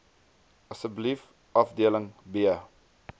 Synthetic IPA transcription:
əsəblif | ɐfdiələŋbiə

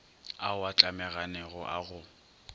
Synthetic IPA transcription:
aʊat͡ɬʼamɛɣanɛɣɔʔaɣʊ

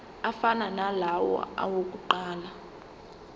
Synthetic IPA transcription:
afananalawɔ̰a̰wok̬ʼuǃaːla

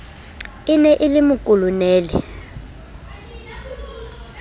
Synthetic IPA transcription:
ɪnɛʔɪlimukʼulunɛːlɛ̰

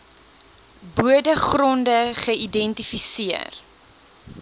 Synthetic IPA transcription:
buədəχrɔndəχəidɛntifisiə̰r

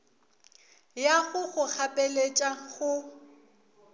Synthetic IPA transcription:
jaɣʊɣʊk͡xʰapʼelet͡ʃʼaɣʊ

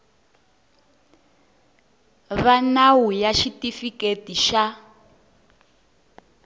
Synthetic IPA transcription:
βanawujaʃitifiketiʃa

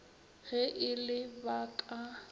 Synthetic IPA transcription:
ɣɛʔɪlɪbakʼa

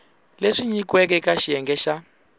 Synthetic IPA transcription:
leʂiɲikwɛkɛkaʃijɛŋɡɛʃa

